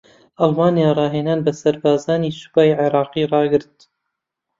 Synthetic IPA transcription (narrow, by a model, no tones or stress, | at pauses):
ʔɑlˠmaːnijaːrˤɑːɦeːnaːnbɐsɐɾbaːzaːniːsu̥paːjʕeɾˤɑːqiːrˤɑːɡɨɾt̪̚